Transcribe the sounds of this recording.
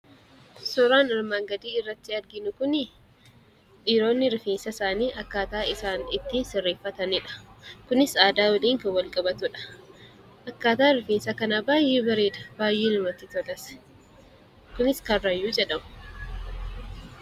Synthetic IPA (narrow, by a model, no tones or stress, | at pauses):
sɔɾaːnɐɾmaːŋɡɐd̪iːɪrːɐt̪ːɪɐɾɡɪnʊkʊnɪ | ᶑiːɾo̞ːnːɪɾɪfeːnsɐsaːniːʔɐkːaːt̪aːɪsaːnɪt̪ːiːnsɪrːeːfːɐt̪ɐnɪᶑɐ̥kʊnɪsaːd̪aːwɐliːŋkɐwɐlkʼɐbɐt̪ʊᶑɐ̥ | ʔɐkːaːt̪aːɾɪfeːnsɐkɐnabaːjʔeːbɐɾeːd̪ɐ̥b̥aːjːeːnɪmɐt̪ːɪt̪ɔlɐsɛ̥ | kʊnɪskɐrːɐjːuːd͡ʒɛᶑɐmʊ̥